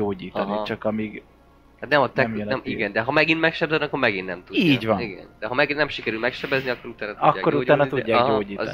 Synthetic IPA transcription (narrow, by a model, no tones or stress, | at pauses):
oːɟiːt̪ɒnit͡ʃɒkɒmiːɡ | hat̪nɛmɒt̪ɛmjnɛmiɡɛnd̪ɛɦɒmɛɡinmɛkʃɛbzɛniɒkːoɾmɛɡinːɛmt̪uiːɟvɒniɡɛ̰nd̪̥ɛɦɒmɛɡinɛmʃikɛɾylmɛkʃɛbɛzniɒkːo̞ɾut̪aːnɒt̪ɒkːa̰ːɡːoɾut̪aːnɒt̪uːaːɒɡɦoːɟiːt̪